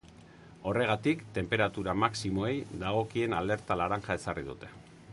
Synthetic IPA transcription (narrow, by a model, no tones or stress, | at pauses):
o̞re̞ɣ̞at̪ikt̪e̞mpe̞ɾat̪uɾamaksimo̞e̞jd̪aɣ̞o̞kie̞nald̪e̞ɾt̪alaɾaŋʝae̞sariðṵt̪e̞